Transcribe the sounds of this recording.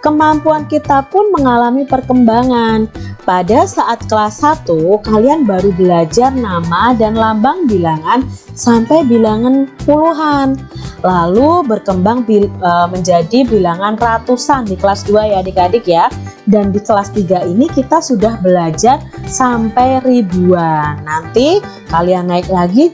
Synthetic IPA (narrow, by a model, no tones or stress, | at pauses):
kəmampuankit̪apʊnməŋalamipərkəmbaŋanpadasaʔat̪̚kəlasːat̪ukalianbaɾubəlad͡ʒarnamadanlambaŋbilaŋan | sampajbilaŋanpuluɦanlalubərkəmbaŋbiəməɲd͡ʒadibilaŋanrat̪usandikəlasduajadikadɪkjadandikəlast̪iɡainikit̪asudahbəlad͡ʒarsampɛjribuanːant̪i | kalianːaɪk̚laɡi